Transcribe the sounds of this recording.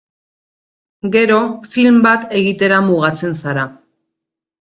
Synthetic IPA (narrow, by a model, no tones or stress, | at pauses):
ɡe̞ɾo̞filmbat̪e̞ɣit̪e̞ɾamuɣat͡se̞nsaɾa